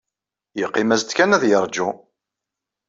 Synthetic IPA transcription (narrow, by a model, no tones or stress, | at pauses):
jəqːimæzt̪kænæðjəɾˤd͡ʒʊ